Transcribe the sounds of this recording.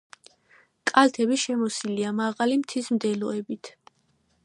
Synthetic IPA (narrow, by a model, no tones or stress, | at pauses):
kʼalt̪ʰɛbiʃɛmɔsiliamaʁalimt̪ʰismd̪ɛlɔɛbit̪ʰ